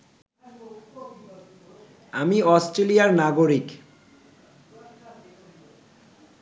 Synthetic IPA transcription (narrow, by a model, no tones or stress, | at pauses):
amiɔsʈɾelijaɾnaɡoɾik